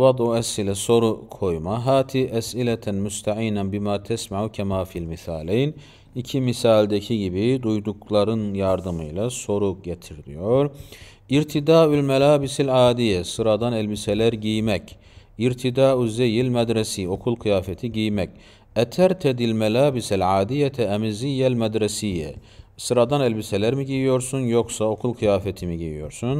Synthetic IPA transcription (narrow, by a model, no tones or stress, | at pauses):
ad̪oɛsilɛso̞ɾukʰo̞jmaɦaːt̪ʰiːʔæsilɛt̪ʰænmust̪ʰaʕiːnænbimaːt̪ʰɛsmaʕucʰɛmaːfilmiθaːlejn | icʰimisaːlʲd̪ecʰiɟibid̪ujd̪uklˠaɾɯnjaɾd̪ɯmɯjlˠaso̞ɾuɟet̪ʰiɾd̪ḭjoɾ | iɾt̪ʰid̪aːylmɛlaːbisilʕaːd̪ijɛsɯɾad̪anɛlʲbisɛlæɾɟijmɛc | iɾt̪ʰid̪aːyzɛjilʲmɛd̪ɾɛsio̞kʰulˠkʰɯjaːfɛt̪ʰiɟijmɛc | ɛt̪ʰæɾt̪ʰɛd̪ilʲmɛlʲaːbisilʲʕaːd̪ijɛt̪ʰɛːmizijɛlʲmɛd̪ɾɛsijɛ̰sɯɾad̪anɛlʲbiselʲæɾmiɟijijo̞ɾsunjo̞ksao̞kʰulˠkʰɯjaːfɛt̪ʰimiɟijḭjo̞̰ɾsun